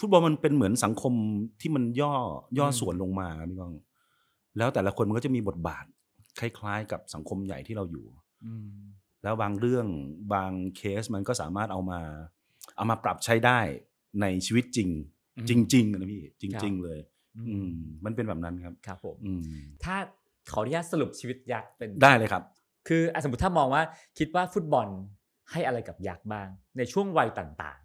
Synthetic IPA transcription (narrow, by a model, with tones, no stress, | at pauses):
fu˦˥t̪̚bɔː˧nma˧npe˧nmɯ˩˦ənsa˩˦ŋkʰo˧mt̪ʰiː˥˩ma˧njɔː˥˩jɔː˥˩su˨˩˦ənlo˧ŋmaː˧kʰa˦˥pʰi˦˥˩bɔː˥˩ŋ | lɛː˦˥wt̪ɛː˨˩la˦˥kʰo˧nma˧kɔː˥˩a˨˩miː˧bo˨˩t̪̚ba̰ː˨˩t̪̚ | kʰa˥˩jkʰlaː˦˥jka˨˩p̚sa˩˦ŋkʰo˧mja̰˨˩jt̪ʰiː˥˩ɾa˧wjṵː˨˩ | lɛː˦˥wbaː˧ŋɾɯ˥˩əŋbaː˧ŋkʰeː˦˥sma˧nkɔː˥˩saː˩˦maː˥˩t̪̚ʔa˧wmaː˧ | ʔa˧wmaː˧pɾa˨˩p̚t͡ɕʰa˦˥jdaː˥˩j | na˧jt͡ɕʰiː˧wi˦˥t̪̚t͡ɕi˧ŋ | t͡ɕi˧ŋt͡ɕi˧ŋ˧na˦˥pʰiː˥˩t͡ɕi˧ŋt͡ɕi˧ŋlɤː˧j | ʔɯː˧mma˧npe˧nbɛː˨˩p̚na˦˥nkʰa˦˥p̚kʰa˦˥pʰːo˨˩˦mʔɯː˧t̪ʰaː˥˩ | kʰa˨˩˦wɾi˦˥ja˦˥sa˧lu˨˩p̚t͡ɕʰiː˧wi˦˥t̪̚ja˦˥k̚pe˧ndaː˥˩jlɤː˧˩jkʰa˦˥p̚ | kʰɯː˧ʔa˧˩so˨˦˩t̪ʰaː˥˩mɔː˧ŋwaː˥˩kʰi˦˥t̪̚waː˥˩fu˦˥t̪̚bɔ˧n | ha˥˩jʔa˧ɾa˧jka˨˩p̚ja˦˥k̚baː˥˩ŋna˧jt͡ɕʰu˥˩əŋwa˧jt̪a̰˨˩ŋt̪a̰ː˨˩ŋ